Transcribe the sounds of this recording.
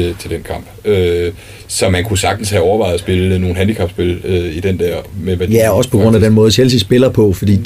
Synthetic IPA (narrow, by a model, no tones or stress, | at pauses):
t͡sʰe̝ld̥enkʰɑ̈m̰b̥ø | sɒ̽mænkʰusɑ̈ɡ̥̚d̥n̩shæɒʊɐʋɑ̈ɪð̩ˠɐsb̥e̝ləno̝ːn̩ɦænd̥ikʰɑ̈b̥sb̥e̝løid̥end̥æɐ̰memæjæɒ̽sə̥pʰɒ̽ɡ̥ʁɔ̽n̰æd̥enmɔ̽ːð̞ˠsel̰sisb̥e̝lɐpʰɒ̽fɒ̽d̥ḭ̥ː